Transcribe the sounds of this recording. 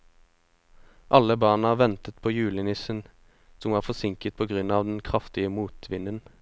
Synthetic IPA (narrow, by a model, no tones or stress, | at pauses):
ʔɑləbɑːnɑʋɛnt̪ət̪̚pʰoːjʉːlənɪsən | sɔmʋɑːfɔsɪŋkət̪̚pʰoːɡʁʉnɑːʋd̪ɛn̩kʰʁɑft̪ɪəmuːt̪ʰʋɪnən